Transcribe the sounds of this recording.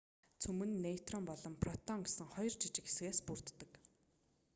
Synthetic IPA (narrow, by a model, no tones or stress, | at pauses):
t͡sʰumɘ̆nːet̪rɔmpɔɮɞ̆mpʰrɔt̪ɔŋɡesɘ̆ŋχɔjɞrt͡ɕʰit͡ɕɪ̆ke̥sɣeːspur̥t̪ːɘ̆k